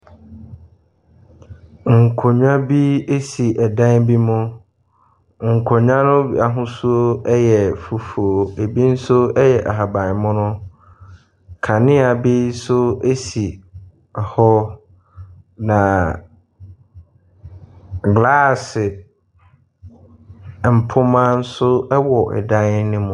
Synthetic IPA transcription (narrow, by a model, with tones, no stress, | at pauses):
ŋ̩˨kʰʊ˨ɲᶣã˦bi˦e˦si˨ʔɛ˨dã˦nbi˦mʊ̃˦ | ŋ̩˨kʰɔ˨ɲã˦nʊ̃˦ba˨ɦʊ̃˦su˦o˦ɛ˦jɛ˨fu˨fo˨o˨e˨bi˦n̩˦sʊ˦ɛ˦jɛ˨ʔa˨ɦa˨bã˨mʊ̃˦nʊ̃˦ | kʰa˨nɪ̃˦a˨bi˦sʊ˦e˦si˨ | hɔ˦ | nã˨ | ɡla˦sɪ˨ | m̩˨pʰʊ˦mã˦n̩˦sʊ˦ɛ˦wɔ˨ʔɛ̰˨dã˦nɪ̃˦mʊ̃˦